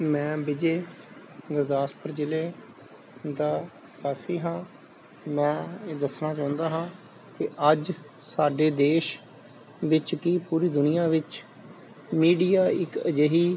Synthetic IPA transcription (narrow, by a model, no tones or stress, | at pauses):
mɛ̃ːbɪd͡ʒeː | ɡəɾd̪aːspʰəɾd͡ʒɪleː | d̪aː | pəsiːɦãː | mɛ̃ːd̪əsnaːt͡ʃãːʊnd̪aːɦãː | kɪʔəd͡ʒ | saːɖeːd̪eːʃ | ʋɪt͡ʃkiːpuːɾiːd̪ʊnɪjaːʋɪt͡ʃ | miːɖijaːɪkəd͡ʒeɦiː